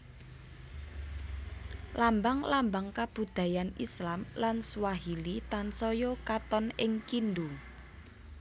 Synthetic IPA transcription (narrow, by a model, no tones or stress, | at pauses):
lambaŋlambaŋkab̥ṳd̪̥a̤janislamlansuwaɦilit̪ansɔjɔkat̪ɔnɪŋkind̪u